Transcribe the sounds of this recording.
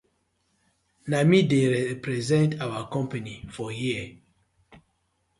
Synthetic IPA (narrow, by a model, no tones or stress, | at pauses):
namideɹɛpɹɛzɛ̃ntawakɔ̃mpanifɔjiə